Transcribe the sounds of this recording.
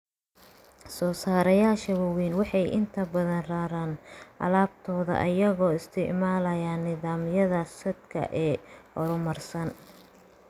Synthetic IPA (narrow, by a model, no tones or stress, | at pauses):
sɔːsaːɾɐjaːʃɐwɐwiːnwɑħɑjʔɪ̰nt̪ʰɐbɐðɐnraːɾaːnʔɐ̰laːb̚t̪ʰɔːðɐ̰ʔɐjɐɣɔːɪst̪ʰɪʕmaːlɐjaːnːɪðaːmjɐðɐsɐd̪kʰɐ̰ʔɛːɔɾʊmɐrsɐn